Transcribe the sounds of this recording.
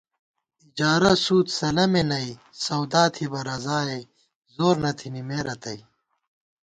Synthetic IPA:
id͡ʑaːɾɐsuːt̪sɐlɐmenɐi | sɐwd̪aːt̪ʰibɐɾɐzaːej | zoːɾnɐt̪ʰinimeːɾɐt̪ɐi

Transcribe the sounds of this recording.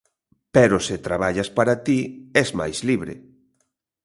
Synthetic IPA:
peɾosɪt̪ɾaβaʎaspaɾat̪iɛzma̰jzliβɾɪ̰

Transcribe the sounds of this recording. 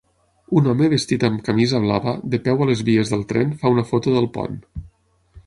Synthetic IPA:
unɔməβəst̪it̪əmkəmizəβ̞laβəðəpɛwələzβiəzðəlˠt̪ɾɛnfaunəfot̪uðəlˠpɔ̰n

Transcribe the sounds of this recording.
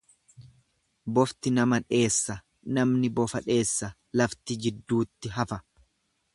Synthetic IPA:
bɔft̪ɪnɐmɐᶑe̞ːsːɐ | nɐmnɪbɔfɐᶑe̞ːsːɐ | lɐft̪ɪd͡ʒɪd̪ːuːt̪ːɪɦɐfɐ

